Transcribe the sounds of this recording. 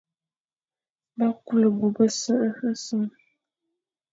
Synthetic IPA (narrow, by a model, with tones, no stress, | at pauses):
ba˦ku˦lɨ˨bu˨bə˦sɨ˦ʔɨ˦ɨ˦sɨ˦m